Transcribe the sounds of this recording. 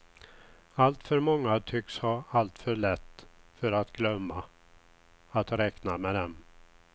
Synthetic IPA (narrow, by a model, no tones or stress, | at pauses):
alt̪fœɾmɔŋːat̪ʰʏkshɑalt̪fœɭɛt̪ːfœɾat̪ɡlœmːa | at̪ɾɛknamɛd̪ɛm